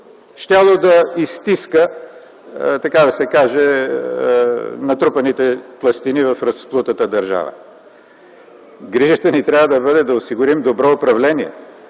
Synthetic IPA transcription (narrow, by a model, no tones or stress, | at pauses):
ʃt̪ʲalˠod̪ɐist̪iskə | t̪ɐkad̪ɐsɛkaʒɛ | nɐt̪ɾupɐnit̪ɛt̪lˠɐst̪inivɐfɾɐsplˠut̪ət̪əd̪ɐɾʒa̰və̰ | ɡɾiʒət̪ənit̪ɾʲjavəd̪ɐbɤd̪ɛd̪ɐʊsiɡʊɾimd̪obɾɔʊpɾɐvlɛniɛ̰